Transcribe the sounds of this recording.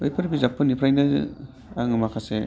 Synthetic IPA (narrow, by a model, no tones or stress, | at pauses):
ɯjpʰɐɾibizapʰːɯnipʰɾajnɐ | aŋɯmakʰase